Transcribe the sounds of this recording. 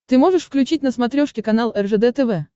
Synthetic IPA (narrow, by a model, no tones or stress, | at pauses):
t̪ɨmo̞ʐɨʂfklʲʉt͡ɕit̚ʲnəsmɐt̪ɾʲoʂkʲɪkɐnalˠɛrʐɛd̪ɛt̪ɛvɛ